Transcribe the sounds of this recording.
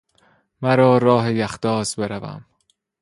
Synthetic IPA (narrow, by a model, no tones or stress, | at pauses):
mæɾɒːɾɒːɦejæxd̪̥ɒːzbe̞ɾævæ̰m